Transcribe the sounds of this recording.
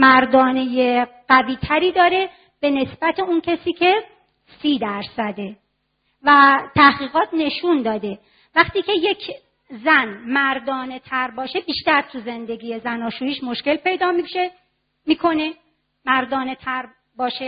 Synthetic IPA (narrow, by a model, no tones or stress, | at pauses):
mæɾd̪ɒːnejeɢ̥æviːt̪ʰæɾiːd̪ɒːɾe̞ | b̥e̞ne̞sbæt̪ʰeuncʰesiːcʰe̞ | siːd̪æɾsæd̪e | væt̪ʰæhɣiːɣɒːt̪ʰne̞ʃund̪ɒːd̪e̞ | væχt̪iːce̞je̞cʰ | zænmæɾd̪ɒːne̞t̪ʰæɾbɒːʃe̞biːʃt̪æɾt̪ʰuze̞nd̪e̞ɡiːjezænɒːʃuːjiːʃmoʃcelpe̞jd̪ɒːmiʃe | miːkʰo̞ne | mæɾd̪ɒːnet̪ʰæɾ | bɒːʃe